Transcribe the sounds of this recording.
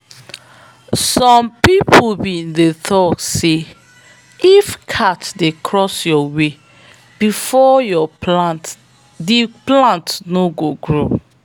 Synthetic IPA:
sɔ̃mpipʰbindeθɔtse | ifkʰatdekʰɹɔsjɔwe | bifɔjɔplãnt | diplãntnoɡoɡɹo

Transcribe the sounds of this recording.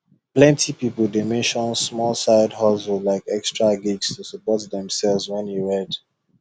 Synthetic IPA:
plɛ̃ntʰipipəl̩ˠdemɛ̃nʃɔ̃nsmɔlsaɪdhɔsəlaɪkɛkstɹaɡiɡstusəpɔtðɛ̃msɛlˠvzwɛ̃njeɹɛd

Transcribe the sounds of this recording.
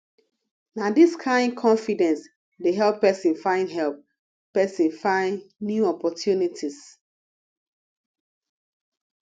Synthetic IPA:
nadiskʰãɪ̃nkʰɔ̃ɱfidɛ̃ns | deɦɛlpːɛsĩnfãɪ̃ndɦɛlp̚ | pɛsĩnfãɪ̃nnjuɔpɔtʰjunitʰis

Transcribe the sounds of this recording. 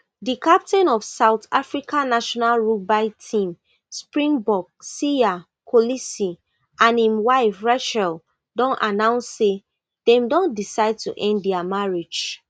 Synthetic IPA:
dikap̚tɛ̃nɔfsaʊtʰafɹikãnaʃɔnalɹubaɪtʰĩm | spɹĩŋbɔɡ̚sia | kʰolisi | ãnĩmwaɪfɹaʃɛl | dɔ̃nanãʊ̃nsːe | dɛ̃mdɔ̃ndisaɪd̚tṵʔɛ̃nddɛamaɹe̥d͡ʒ

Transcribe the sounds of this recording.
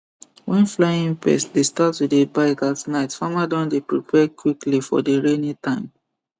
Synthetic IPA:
wɛ̃nflaɪĩŋpɛ̰sdestatwidebaɪkatnaɪtfamadãndepɹipʰɛkwiklifɔ̰deɹenĩtãɪ̃m

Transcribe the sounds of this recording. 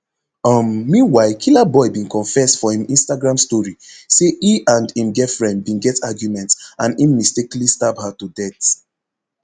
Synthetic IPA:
ɔmːĩnwaɪkʰilabɔɪbĩnkɔ̃nfɛsfɔhĩmĩnstaɡɹãmstɔɹiseʔiãndĩmɡɛfɹɛ̃nd̚bĩnɡɛtaɡjumɛ̃ntãnĩmmisteklistaphatudɛt

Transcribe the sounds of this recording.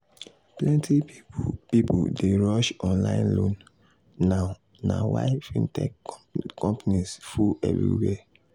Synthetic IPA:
plɛ̃ntʰipipudeɹɔʃɔ̃nlã̰ɪ̃nlõnː | aʊ | na̰wa̰ɪfĩntʰɛkkɔ̃mpanisfuɛ̰vɹḭwɛ

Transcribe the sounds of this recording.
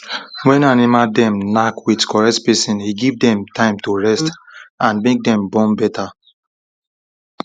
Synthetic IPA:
wɛ̃nanimadɛ̃mnakwidkʰɔɹɛtpɛsĩniɡivdɛ̃mtʰãɪ̃mtoɹɛstãnmek̚dɛ̃mbɔ̃mbɛtʰa

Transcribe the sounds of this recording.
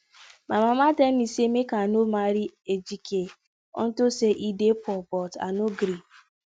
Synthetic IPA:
mamamaten̩isemekanomaɾied͡ʒike | ɔ̰n̩toseʔidepɔbɔta̰noɡɾi

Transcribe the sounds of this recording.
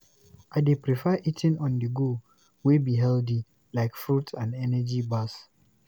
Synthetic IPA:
ʔaɪdepɹifɛʔitʰĩnɔ̃ndəɡo | wibiɦɛldi | laɪkfɹutʰãndɛnɛd͡ʒibas

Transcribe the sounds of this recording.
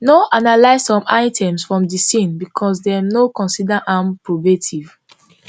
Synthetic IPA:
noʔanalaɪzsɔ̃maɪtʰɛ̃msfɹɔ̃mdisĩnbikʰɔsdɛnokɔ̃nsidaʔãmpɹobetʰiv

